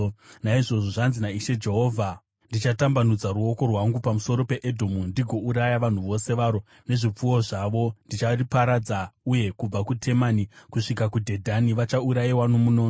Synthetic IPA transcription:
naiʐo̞ʐo̞ʐanzinaiʃe̞d͡ʒe̞ɦo̞ːvʱa | ndit͡ʃatambanud͡zaɾuo̞ko̞rwaŋɡupamuso̞ɾo̞pe̞ʔedʱomundiɡʱo̞uɾajaʋan̤uʋo̞se̞ʋaɾo̞ | ne̞ʐip͡fuwo̞ʐaʋo̞ndit͡ʃaripaɾad͡zauje̞kub͡vakutʰe̞manikuʂikakudʱe̞dʱaniʋat͡ʃauɾajiwano̞muno̞ːno

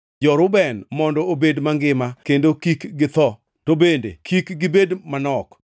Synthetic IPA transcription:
d͡ʒɔɾʊbɛnmɔndɔobedmaŋɡɪmakendokikɡɪt̪ɔ | tobendḛkʰikɡɪbedmanɔk

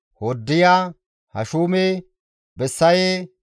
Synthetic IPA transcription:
hod̪ːɪjaː | hɐʃuːme | bɛsːɐje

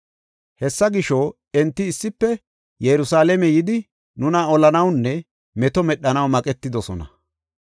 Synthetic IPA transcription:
hɛsːɐɡɪʃɔ | ɛnt̪ːɪːsːɪpːɛ | jɛɾʊsaːlɛmɛjɪd̪ɪ | nʊnɐɔlɐnɐwnːɛ | mɛt̪ɔmɛɗːɐnɐwmɐkʼɛt̪ːɪd̪ɔsɔnɐ̰

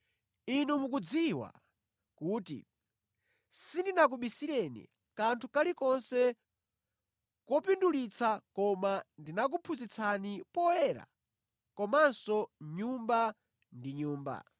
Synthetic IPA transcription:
inumuk̬ud͡ziwa̰ | kuːtḭ | sindinak̬uɓisiɾɛnḭ | kantʰukalikɔnsɛ | kɔpindulit͡sʰakɔmandinak̬upʰuzit͡sʰanipɔɛɾa̰ | kɔmansɔɲumba | ndiɲuːmba̰

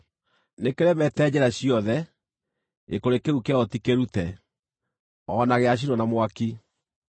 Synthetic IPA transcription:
nekeɾɛmɛtɛd͡ʑɛɾaɕiɔðɛ | ekoɾekeɾukeaɔtikeɾutɛ | ɔnaɣeaɕ̬iɾɔnamwaki

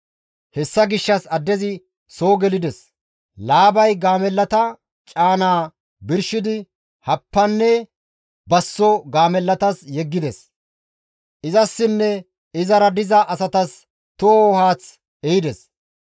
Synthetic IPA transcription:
hɛsːɐɡɪʃːɐsɐd̪ːɛzɪ | soːɡɛlɪd̪ɛs | laːbɐjɡaːmɛlːɐt̪ɐ | t͡ʃʼaːnaː | bɪɾʃɪd̪ɪ | hɐpːɐnːɛ | bɐsːɔɡaːmɛlːɐt̪ɐsjɛɡːɪd̪ɛs | ʔɪzɐsːɪnːɛ | ɪzɐɾɐd̪ɪzɐʔɐsɐt̪ɐs | t̪ooɦaːt͡s | ɛjɪd̪ɛs

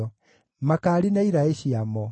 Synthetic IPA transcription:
ɔ | makaːɾinaiɾaeɕiamɔ

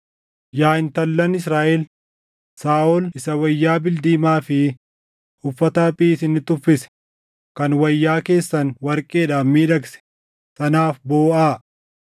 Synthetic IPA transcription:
jaːɪnt̪ɐlːɐnɪs̬ɾaːʔɛl | saːʔɔlɪsɐwɐjːaːbɪld̪iːmaːfɪ | hʊfːɐt̪ɐpʼiːsɪnːɪt̪ʊfːɪsɛ̥ | kɐnwɐjːaːke̞ːsːɐnwɐɾkʼeːᶑaːmːiːᶑɐksɛ̥ | sɐnaːfboːaː

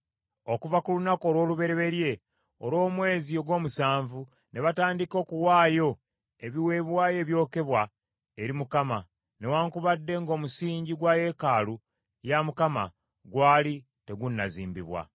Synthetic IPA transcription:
o̞kuvakulunako̞ːɾwo̞ːluβe̞ɾeβe̞ɾje̞ | o̰lo̞ːmwe̞ːzio̞ɡwo̞ːmusaːɱvu | ne̞βataːndiko̞ːkuwaːjo̞ | e̞βiwe̞ːβwaːje̞ːβjo̞ːke̞βwa | eɾimukama | ne̞waːŋkuβadːe̞ŋɡo̞ːmusiːɲɟiɡwaje̞kaːlu | jamukama̰ | ɡwaːli | te̞ɡunːazḭːmbiβwa̰

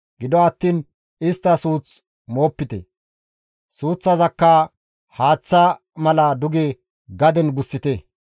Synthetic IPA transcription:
ɡɪd̪ɔɐt̪ːiːn | ɪst̪ːɐsuːt͡s | mo̞ːpːɪt̪ɛ̰ | suːt͡sːɐzɐkːɐ | haːt͡sːɐ | mɐlɐd̪ʊɡe | ɡɐd̪ɛnɡʊsːɪt̪ɛ

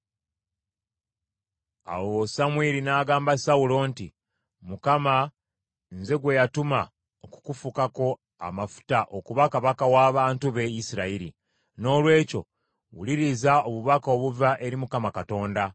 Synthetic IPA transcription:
a̰wosamwiɾinaːɡaːmbasawulo̞nti | mukama | nze̞ɡwe̞jatuma | oku̥kufukako̞ | a̰mafu̥taʔo̞kuβakaβakawaːβantuβe̞isiɾaiɾḭ | no̞ːlwe̞ːco̞̰ | wṵliɾizaoβuβakao̞ːβuvaʔe̞ɾimukamakato̞ːnda

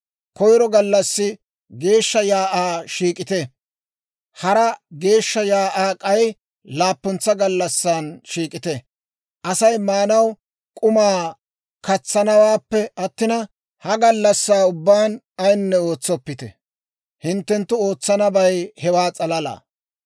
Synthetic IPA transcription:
kɔjɾɔɡɐlːɐsːɪ | ɡe̞ːʃːɐjaːʔaːʃiːkʼɪt̪ɛ | hɐɾɐɡe̞ːʃːɐjaːʔaːkʼɐj | laːpːɔnt͡sːɐɡɐlːɐsːaːnʃiːkʼɪt̪ɛ | ʔɐsɐjmaːnɐw | kʼʊmaː | kɐt͡sːɐnɐwaːpːɛɐt̪ːɪnɐ | hɐɡɐlːɐsːaːʊbːaːn | ɐjnːɛo̞ːt͡sːɔpːɪt̪ɛ̰ | hɪnt̪ːɛnt̪ːʊo̞ːt͡sːɐnɐbɐjhɛwaːt͡sʼɐlɐla̰ː

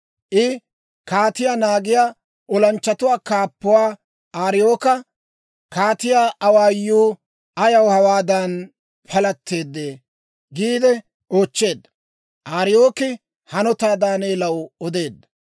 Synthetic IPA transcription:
ʔɪ | kaːt̪ɪjaːnaːɡɪjaː | ɔlɐnt͡ʃːɐt̪ʊwaːkaːpːʊwaː | aːɾɪjo̞ːkɐ | kaːt̪ɪjaːʔɐwaːjːuː | ɐjɐwhɐwaːd̪ɐn | pʰɐlɐt̪ːe̞ːd̪ːeː | ɡiːd̪ɛ | oːt͡ʃːe̞ːd̪ːɐ̥ | ʔaːɾɪjoːkɪ | hɐnɔt̪aːd̪aːne̞ːlɐwɔd̪e̞ːd̪ːɐ

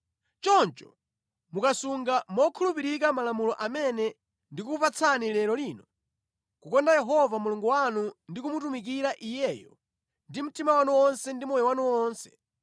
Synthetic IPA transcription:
t͡ʃɔnt͡ʃɔ̥ | mukasuŋɡamɔkʰulupiɾik̬amalamulɔʔamɛnɛ | ndikupat͡sʰanilɛɾɔliːnɔ | kukɔndajɛɦɔvamuluŋɡuwanundikumutumik̬iɾaʔijɛjɔ | ndim̩timawanuwɔnsɛndimɔjɛwanuwɔːnsɛ̥̰

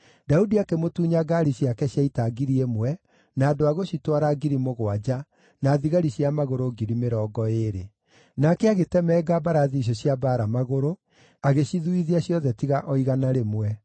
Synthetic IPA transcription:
daudiakemotuːɲaɡaɾiɕjakɛɕjaitaɡiɾiemwɛ | naːdoaɣoɕitwaɾaɡiɾimoɣwad͡ʑa | naːðiɣaɾiɕjamaɣoɾoɡiɾimeɾɔːɡɔeɾe | nakɛaɣetɛmɛːɡabaɾaðiːɕ̬ɔɕjabaːɾamaɣoɾo | aɣeɕiðuiðiaɕjɔðɛtiɣaʔɔiɣanaɾemwɛ

